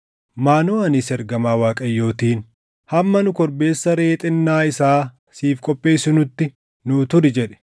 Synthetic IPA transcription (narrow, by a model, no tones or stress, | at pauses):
maːnoːɐnɪsɛɾɡɐmaːwaːkʼɐjːo̞ːt̪iːn | hɐmːɐnʊkɔɾbe̞ːsːɐɾe̞ːt̪ʼɪnːaːɪsaː | siːfkʼɔpʼːe̞ːsɪnʊt̪ːɪ | nʊːt̪ʊɾɪd͡ʒɛᶑɛ̥